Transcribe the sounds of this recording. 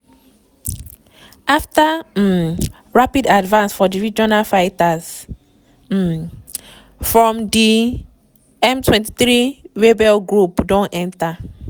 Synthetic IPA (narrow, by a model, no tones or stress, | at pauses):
afta | ɹapidadvãnsfɔdiɹid͡ʒɔnalfaɪtas̩ | fɹɔ̃mdi | ɛmtʰwɛ̃nti̥θɾiwebɛlɡɹupdɔ̃nʔɛ̃nta